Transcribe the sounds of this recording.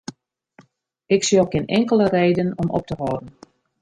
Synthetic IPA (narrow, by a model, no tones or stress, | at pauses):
ɪksiokɪnɛŋkələreːdənɔmɔ̰p̚təɦɔːdən